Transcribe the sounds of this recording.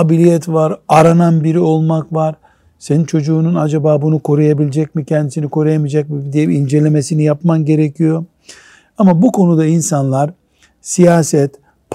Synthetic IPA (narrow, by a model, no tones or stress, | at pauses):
abilʲijɛt̪vaɾaɾananbiɾio̞lˠmakvaɾ | se̞nint͡ʃʰo̞d͡ʒuːnunad͡ʒabaːbunukʰo̞ɾujabilʲed͡ʒɛc̚micʰɛnd̪isinikʰo̞ɾujamid͡ʒac̚mid̪ijɛind͡ʒe̞lʲe̞me̞sinijapmanɟe̞ɾecʰijo̞ | amabukʰo̞nud̪ainsanlˠaɾ | sijaːsɛt̪ | pʰ